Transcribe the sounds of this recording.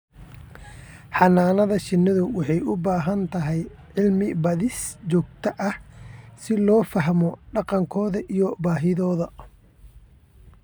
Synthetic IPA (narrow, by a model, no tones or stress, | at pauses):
ħɑnaːnɐðɐʃɪnːɐðʊwɑħɑjʔʊbaːɦɐnt̪ʰɐɦɛj | ʕɪlmɪbɐðɪst͡ʃɔːɡt̪ʰɐʔɐhsɪlɔːfɐɦmɔɖɑqɑŋkʰɔːðɐʔijɔbaːɦɪðɔːðɐ